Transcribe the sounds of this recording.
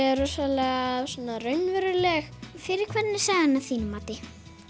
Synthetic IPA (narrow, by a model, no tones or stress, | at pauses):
ɛɾʏsɔlɛɣasɔːnarœɥnvɛɾɪlɛxfɪɾɪɾkʰvɛnːɪ̥saɣanːaθiːnmaːt̪ɪ